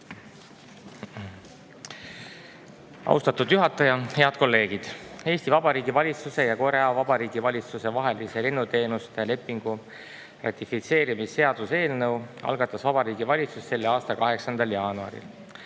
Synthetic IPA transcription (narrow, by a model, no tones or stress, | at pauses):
ɑ̰ṵst̪ɑt̪ud̪̥juɦɑt̪ːˑɑjɑhe̞ɑd̪̥̚ko̞lːe̞ːɡ̥id̪̥e̞ːsʲt̪ivɑbɑɾiːɡ̥ivɑlʲit̪suse̞jɑko̞ɾɑvɑbɑɾiːɡ̥ivɑlʲit̪suse̞vɑɦe̞lise̞lenːut̪e̞ːnust̪ele̞pːˑiŋɡ̥u | rɑ̰t̪ifit̪se̞ːɾimisːe̞ɑd̪̥use̞ːlnɤwɑ̰lɡɑt̪ːˑɑsvɑbɑɾiːɡivɑlʲit̪susse̞lːeɑːst̪ɑkɑɦe̞ksɑnd̪ɑljɑːnuɑ̰ɾḭl